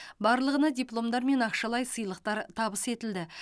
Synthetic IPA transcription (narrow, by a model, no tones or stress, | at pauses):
bɑɾlˠəʁənɑd̪ʲijplˠo̞md̪ɑɾme̞nɑqʃɑlˠɑjsəjlˠəq̚t̪ɑɾt̪ʰɑbəse̞t̪ɪld̪ɪ